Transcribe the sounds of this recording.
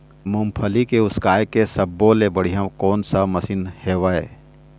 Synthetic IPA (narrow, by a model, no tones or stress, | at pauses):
mʊ̃mpʰəlikeʊskaːjkesɐbːoːlebəɽ̤ijãkɔːnsamɐsiːnheːʋaeː